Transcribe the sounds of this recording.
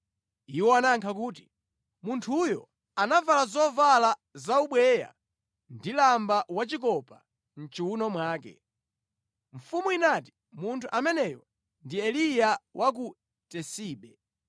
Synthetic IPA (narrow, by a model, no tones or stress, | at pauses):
iwɔanaŋkʰak̬uːti̥ | muntʰujɔ | anavalazɔvalazauɓwɛja̰ | ndilambawat͡ʃik̬ɔpa | n̩t͡ʃiunɔmwaːkɛ̰ | ɱ̩fumuinati̥ | muntʰuʔamɛnɛjɔ | ndiɛlijawʔak̬u | tɛsiːɓɛ